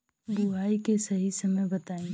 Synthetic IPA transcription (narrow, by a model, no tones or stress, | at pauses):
buɦaːikesɐɦisɐməjbɐt̪aːĩː